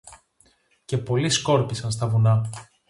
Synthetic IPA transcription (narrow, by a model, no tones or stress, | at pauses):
ce̞po̞lisko̞ɾpisɐnst̪ɐvunɐ